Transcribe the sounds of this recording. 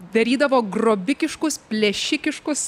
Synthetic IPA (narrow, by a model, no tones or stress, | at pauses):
d̪ɐɾʲiːd̪ɐʋoːɡroːbʲɪkʲɪʃkʊspʲlʲɛʃʲɪkʲɪʃkʊs